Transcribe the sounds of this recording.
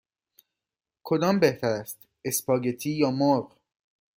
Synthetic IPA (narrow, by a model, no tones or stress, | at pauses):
kʰo̞d̪ɒːmbeht̪ʰæɾæst̪ | espʰɒːɟet̪ʰiːjɒːmoɾɢ